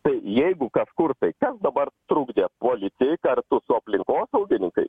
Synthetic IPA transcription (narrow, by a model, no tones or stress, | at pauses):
t̪əjjejɡukaskuɾt̪əjkat͡sd̪əbaɾt̪ɾuɡd̪apɔlit͡sejkaɾt̪usɔpliŋkɔsowɡ̪enĩkə̰j